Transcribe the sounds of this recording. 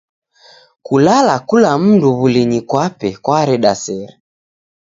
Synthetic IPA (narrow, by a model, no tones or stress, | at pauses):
kulalakulam̩nduβuliɲikwapɛkwaɾɛɗasɛɾɛ